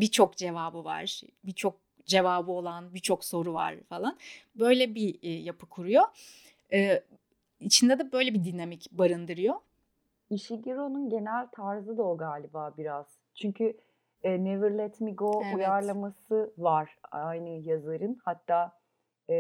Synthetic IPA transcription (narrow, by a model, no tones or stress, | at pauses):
bit͡ʃʰo̞kd͡ʒe̞vaːbɯva̰ɾ̥ | bit͡ʃʰo̞k̚ | d͡ʒe̞vaːbɯo̞lˠanbit͡ʃʰo̞kso̞ɾuva̰ɾ̥falˠanbø̞jlʲɛbijapʰɯkʰuɾujo̞ | ɛː | it͡ʃʰind̪ɛd̪ɛbø̞jlʲɛbid̪inamicbaɾɯnd̪ɯɾɯjo̞ | iʃiɟiɾo̞nunɟe̞nælʲt̪ʰaɾzɯd̪aoɡaːlʲibaːbiɾaz̥ | t͡ʃʰyɲcʰy | ɛːnevɯɾlʲˠɛt̪miɡoujaɾlˠamasɯvaɾ̥ajnɯjazaɾɯnhat̪ːaː